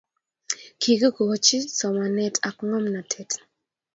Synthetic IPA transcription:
kʰi˨ɡə˦kɔ˨o˨t͡ʃɪ˦sɔ˨ma˨nɛ˦tʰa˨kŋɔ˦mna˨tʰɛ˨t

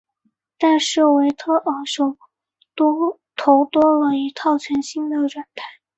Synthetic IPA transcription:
t̪a˥˧ʂɤ˥˩we˧˥ɪt̪ʰɤ˥ʔə˨˩ʂo˨˩ʊ˥ | t̪ʰo˧˥ʊt̪wɔ˥lə˨˧i˧˥t̪ʰɑ˥˩ʊt͡ɕʰɥɛ˧˥nɕi˥˩ŋd̪ə˨ʈ͡ʂwa˨˩nt̪ʰa˥˩˦ɪ

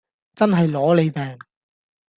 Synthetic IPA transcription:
t͡sɐ˥nɦɐ˨jlɔː˨˥le˨˧jpɛː˨ŋ

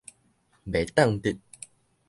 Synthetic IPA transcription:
be˨˩t̪a˥˨ŋt̪i˧˨t̪̚

